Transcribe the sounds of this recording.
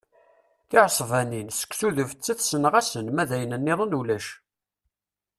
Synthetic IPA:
θɪʕsˤvæninsə̥kʷːsuðəvft͡sːəθsənʁæsənmæðæjənənːiðˤənulæʃ

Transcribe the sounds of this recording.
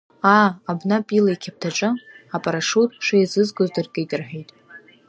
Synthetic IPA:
aːbnapʼilajkʲʰap̚tʰaʈ͡ʂʼɨapʼaɾaʂutʼʂejzɨzɡʼozdɨrkʼejtʼɨrħʷᶣejtʼ

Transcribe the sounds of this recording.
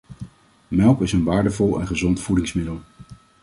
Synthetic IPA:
mɛlˠpɪsənʋaːɹdəvɔlˠɛ̰nχəzɔntfudɪŋsmɪdəlˠ

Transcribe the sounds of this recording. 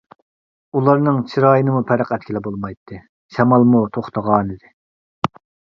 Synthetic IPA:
ulˠɑɾnɨŋt͡ʃʰiɾɑːjənɨmupʰɛɾəqɛt̪̚ʲkʲʰilɪbolˠmɑjt̪ʰːɨ | ʃɛmɑlˠmut̪ʰoχt̪ʰəʁɑːnɨd̪ɪ

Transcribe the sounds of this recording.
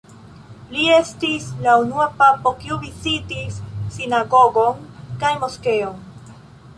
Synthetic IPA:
lie̞stislaunuapapo̞kiuvizitisːinaɡo̞ɡo̞nkajmo̞ske̞on

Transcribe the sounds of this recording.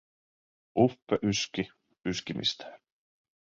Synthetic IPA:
ʔufeʔyski | yskimḭst̪

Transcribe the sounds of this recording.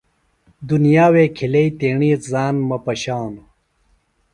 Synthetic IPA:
d̪unijaːweːkʰilɐit̪eːɳiːt̪zaːnmɐpɐɕaːno

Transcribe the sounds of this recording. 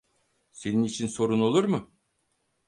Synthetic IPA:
se̞ninit͡ʃʰinso̞ɾuno̞lˠuɾmɯ

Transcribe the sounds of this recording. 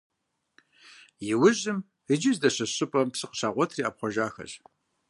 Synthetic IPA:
jɪwʊʒɨm | ɨd͡ʒɪzdɐɕɐɕʼɨpʼɐmpsɨqə̥ɕaːʁʷɔtʰriːap̚χʷɔʒaːxɐ̰ɕ

